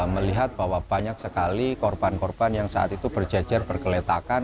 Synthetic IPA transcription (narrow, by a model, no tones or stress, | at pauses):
məliɦat̪̚b̥awab̥aɲak̚səkalikɔrb̥ankɔrb̥anjaŋsa̰ʔa̰t̪it̪ub̥ərd͡ʒḁd͡ʒarb̥ərkəlet̪akan